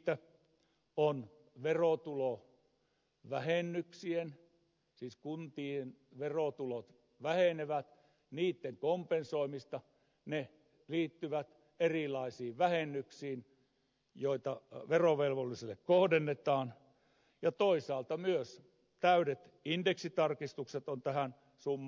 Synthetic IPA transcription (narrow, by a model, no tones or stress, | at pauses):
t̪æ | on | ʋerot̪ulo | ʋæhenːyksien | siːskunt̪iːenʋerot̪ulot̪ | ʋæheneʋæt̪ | niːt̪ːeŋkompensoimist̪ɑ | ne | liːt̪ːyʋæt̪ | erilˑɑisiːʋʋæhenːyksiːn | joit̪ɑʋeroʋelʋolːiselːekkohdenːet̪ɑːn | jɑt̪oisɑːlt̪ɑmyøs | t̪æyɾet̪ | indeksit̪ɑrkist̪ukset̪ont̪æhæn | sumː